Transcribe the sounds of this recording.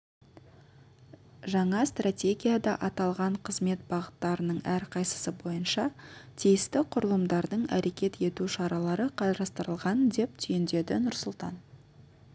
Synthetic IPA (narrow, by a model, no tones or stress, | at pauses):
ʒɑɴɑst̪rat̪ʲe̞ɡʲijad̪ɑʔɑt̪ɑlˠʁɑɴqʰəzme̞t̪̚bɑʁət̪ːɑɾənəɴæɾqʰɑjsə̥səbo̞jənʃɑt̪ʰijɪst̪ɪqʰʊɾəlˠəmd̪ɑɾd̪əɴæ̰ɾe̞kʲe̞t̪e̞t̪uʃɑɾɑlˠɑɾəqʰɑɾɑst̪əɾəlˠʁɑnd̪e̞p̚t̪ʰʏjɪnd̪e̞d̪ɪnʊɾsʊlˠt̪ɑ̰n